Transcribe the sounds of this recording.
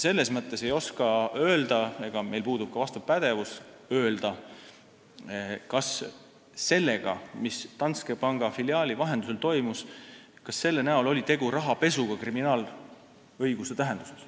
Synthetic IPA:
se̞lːe̞smɤt̪ːˑe̞se̞jo̞skɑø̞ːld̪̥ɑeɡ̥ɑme̞jlpuːd̪̥ub̥̚kɑvɑst̪ɑpæd̪̥e̞vus | ø̞ːld̪̥ɑ | kɑs | se̞lːe̞ɡ̥ɑ̰mist̪ɑnt̪skepɑŋɡ̥ɑfiliɑːlʲivɑɦe̞nd̪use̞lt̪o̞jmuskɑsːe̞lːenæolo̞lʲit̪e̞ɡ̥uɾɑɦɑpe̞suɡ̥ɑkriminɑːl | ɤjɡ̥uset̪æɦe̞nd̪̥u̥se̥s

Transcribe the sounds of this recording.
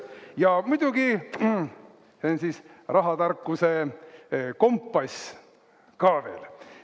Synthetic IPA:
jɑmud̪̥uɡi | seonsisrɑɦɑt̪ɑrkːˑuse | ko̞mpːɑs | kɑːve̞ːl

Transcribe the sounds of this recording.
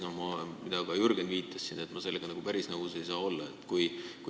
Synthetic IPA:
nohmɑmid̪̥ɑɡ̥ɑjurɡ̥end̪viːt̪ːˑɑsːinde̞t̪ːˑmɑse̞lːeɡ̥ɑnɑɡupæɾisnɑɡuse̞jsɑːo̞lːɑet̪ːˑkujku

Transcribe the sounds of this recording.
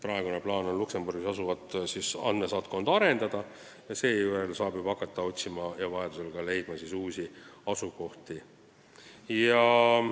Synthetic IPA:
pɾɑe̞ɡ̥une̞plɑːno̞nlukse̞mburɡ̥isɑsuvɑt̪sisɑ̰nd̪me̞sɑːt̪̚ko̞nd̪̥ɑɾe̞nd̪ɑd̪ɑ | jɑse̞ːjue̞lsɑːbib̥ɑkːˑɑt̪ːɑo̞t̪ʲsimɑjɑvɑjed̪̥use̞lɡ̥ɑle̞jd̪mɑsisuːsʲiɑsuko̞ht̪i | jɑ

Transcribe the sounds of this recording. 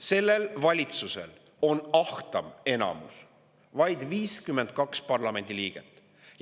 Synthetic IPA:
se̞lːe̞lvɑlʲit̪suse̞̰l | o̞nɑht̪ɑme̞nɑ̰mṵs | vɑjd̪viːskymːe̞nd̪̥̚kɑkspɑrlɑme̞nʲd̪̥iliːɡ̥et̪ːˑ

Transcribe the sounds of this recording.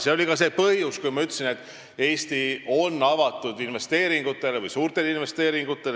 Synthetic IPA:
seo̞lʲikɑseːpɤjuskujmɑyt̪ːˑsine̞t̪ːˑ | e̞ːst̪io̞nːɑvɑt̪ːˑud̪̥inve̞st̪e̞ːɾiŋɡ̥ut̪ːˑe̞levɯjsuːrt̪e̞linve̞st̪e̞ːɾiŋɡ̥ut̪ːˑe̞l

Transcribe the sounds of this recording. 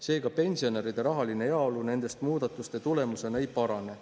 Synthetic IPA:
se̞ːɡɑpe̞nʲsio̞ne̞ɾid̪̥e̞ɾɑɦɑline̞eɑolune̞nd̪̥e̞st̪muːd̪̥ɑt̪ːˑust̪e̞t̪ule̞muse̞nejpɑɾɑne̞

